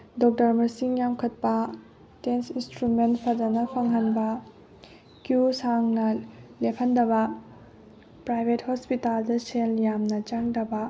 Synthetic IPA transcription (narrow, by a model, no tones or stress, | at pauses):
dɔk̚tɐɾmɐɾsiŋjamkʰɐt̚pɐ | tensinstɾumentpʰɐdɐnɐpʰɐŋɦɐnbɐ | kjusaŋnɐlepʰɐndɐβɐ | pɾajbʱethospitaldɐsenjamnɐt͡ʃaŋdɐbɐ